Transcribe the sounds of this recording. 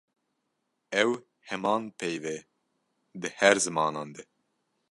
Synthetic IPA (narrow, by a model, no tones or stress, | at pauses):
ɛw | hɛmɑːnpʰejvɛ | d̪ɨhɛɾzɨmɑːnɑːnd̪ɛ